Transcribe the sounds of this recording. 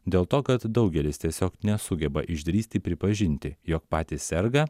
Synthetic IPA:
d̪ʲeːlˠt̪oːkɐt̪d̪ɒʊɡʲɛlʲɪst̪ʲiɛsʲoːknʲɛsʊɡʲɛbɐʔɪʒʲd̪ʲɾʲiːsʲt̪ʲɪpʲɾʲɪpɐʒʲɪnʲt̪ʲɪjoːk̚pɑːt̪ʲɪsʲsʲɛɾɡɐ

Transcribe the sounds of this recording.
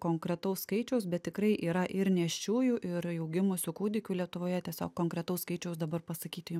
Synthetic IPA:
koːŋkɾʲɛt̪ɐʊsskɐɪt͡ʃʲɛʊsbʲɛt̪̚t̪ʲɪkɾɐɪʔiːɾɐʔɪɾnʲɛʃʲt͡ʃʲuːjuʔɪɾjɛʊɡʲɪmosʲʊkuːd̪ʲɪkʲuːlʲiɛt̪ʊʋoːjɛt̪ʲiɛsʲo̰ːkkoːŋkɾʲɛt̪ɐʊskɐɪt͡ʃʲɛʊsd̪ɐbɐrpɐsɐkʲiːt̪ʲɪjʊm

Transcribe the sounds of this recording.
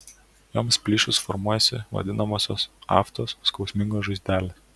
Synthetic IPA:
joːmspʲlʲiːʃʊsfɔɾmuɔjɛsʲɪ̰ʋɐ̰d̪ʲɪnɐmoːsʲo̰ːsɑ̰ːft̪oːsskɒʊsʲmʲɪŋɡoːʒɐɪzʲd̪ʲæːlʲeː

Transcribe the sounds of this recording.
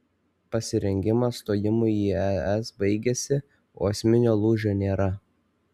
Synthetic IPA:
pɐsʲɪɾʲɛŋʲɡʲɪmɐst̪oːjɪmʊiːɛɛsbɐɪɡʲesʲɪ | o̰ːɛsʲmʲɪnʲoːlˠuʒʲoːnʲeːɾɐ

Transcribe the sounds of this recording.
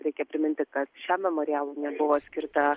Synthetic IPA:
ɾʲɛɪkʲɛpʲɾʲɪmʲɪnʲt̪ʲɪkɐt̪ʃʲæːmʲɛmoːɾʲɪjæːlˠuːnʲɛbʊʋoːsʲkʲɪɾt̪ɐ

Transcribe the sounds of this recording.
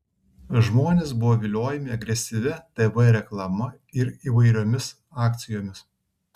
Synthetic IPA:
ʒmoːnʲeːs̬bʊʋoːʋʲɪlʲoːjɛmʲɪɐɡɾʲɛsʲɪʋʲɛt̪eːʋɐɾʲɛklˠɐmɐ | ɪɾiːʋɐɪɾʲoːmʲɪs | ɑːk̚ʲt̪sʲɪjoːmʲɪs

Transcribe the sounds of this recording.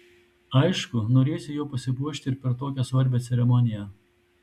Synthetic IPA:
ɐɪʃkʊnoːɾʲeːsʲʊjuːpɐsʲɪbuɔʃʲt̪ʲɪɪɾpʲɛɾt̪oːkʲɛsʋɐɾʲbʲɛːt̪sʲɛɾʲɛmɔnʲɪjɛ

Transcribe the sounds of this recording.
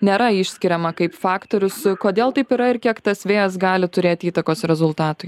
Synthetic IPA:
nʲeːɾɐɪʃʲsʲkʲɪɾʲɛmɐkɐɪpfɑːkt̪oːɾʲʊskoːd̪ʲeːlˠt̪ɐɪpiɾɐɪɾkʲiɛkt̪ɐsʋʲeːjɐs̬ɡɑːlʲɪt̪ʊɾʲeːt̪ʲiːt̪ɐkoːsɾʲɛzʊlˠt̪ɑːt̪ʊɪ

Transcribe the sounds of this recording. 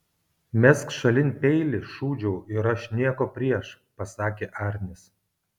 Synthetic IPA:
mʲɛskʃɐlʲɪnʲpʲɛɪlʲɪʃuːd͡ʒʲɛʊʔɪɾɐʃʲnʲiɛkoːpʲɾʲiɛʃ | pɐsɑːkʲeːʔɑːɾʲnʲɪs

